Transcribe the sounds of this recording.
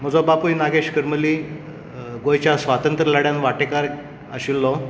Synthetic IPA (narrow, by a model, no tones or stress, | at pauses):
m̤əd͡zɔbapunaɡeɕkəɾməli | ɡojt͡ɕjasʋat̪ənt̪ɾəlaɽjanʋaʈekaɾ | əɕilːɔ